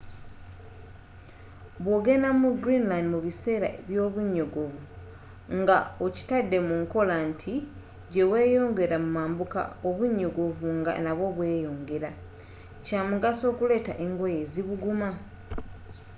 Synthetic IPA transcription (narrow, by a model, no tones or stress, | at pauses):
βwo̞ːɡe̞namuɡɾinlandimuβise̞ːɾa̰eβjo̞ːβuɲːo̞ɡovu | ŋɡaoci̥tadːe̞muŋko̞lantʰi | ɟe̞we̞ːjo̞ːŋɡe̞ɾamumaːmbuka̰oβuɲːo̞ɡo̞vuŋɡa̰naβo̞βwe̞ːjo̞ːŋɡe̞ɾa | caːmuɡaso̞ːkule̞ːta̰ʔe̞ŋɡoje̞ːziβuɡuma